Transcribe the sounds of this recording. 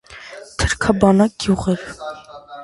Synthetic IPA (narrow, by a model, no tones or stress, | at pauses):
t̪ʰəɾkʰɑbɑnɑk̚ɡ̥juʁɛɾ